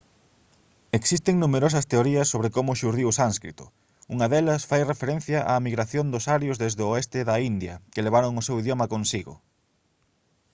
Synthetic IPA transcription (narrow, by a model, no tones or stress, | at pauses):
eksist̪eŋnumeɾos̬ɐst̪eoɾiɐsːoβɾɪkomʊʃuɾðiʊsanskɾit̪ʊ̥̰ | uŋɐðelɐsfajrefeɾẽn̟θjɐʔa̰miɣɾaθjond̪ʊsaɾjozðezðooest̪ɪðɐind̪jɐ̰keleβ̞aɾoŋʊsewiðjomɐkonsiɣʊ̰